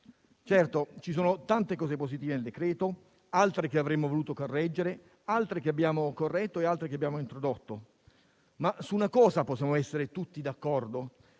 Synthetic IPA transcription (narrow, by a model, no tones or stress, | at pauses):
t͡ʃɛrt̪ot͡ʃisoːnot̪ant̪ekɔːzeposit̪iːveneld̪ekɾɛːt̪o | alt̪ɾekeavɾemːovoluːt̪okorːɛd͡ʒːeɾe | alt̪ɾekeabːjaːmokorːɛt̪ːoealt̪ɾekeabːjaːmoint̪ɾod̪ot̪ːo | masuːnakɔːzaposːjaːmoɛsːeɾet̪ut̪ːid̪akːɔrd̪o